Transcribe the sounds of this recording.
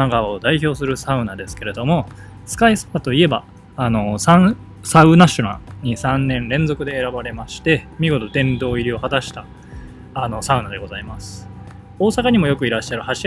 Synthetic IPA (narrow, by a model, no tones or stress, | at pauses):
aɡaod̪aiço̞ːsɨɾɯ̟saɯ̟nad̪e̞sɨ̥ke̞ɾe̞d̪o̞mo̞ | sɨ̥kaisoːd̪at̪o̞ie̞baː | no̞sã | saɯ̟naɕona̰ɲ̟isãnːẽ̞nɾẽ̞nd͡zo̞kɯ̟d̪e̞ːɾabaɾe̞maɕi̥t̪e̞mʲiɡo̞t̪o̞t̪ẽ̞nd̪o̞ːiɾʲio̞hat̪aɕi̥t̪aː | no̞saɯ̟nad̪e̞ɡo̞zaimasɨ̥ | o̞ːsakaɲ̟imo̞jo̞kɯ̟iɾaɕːaɾɯ̟haɕi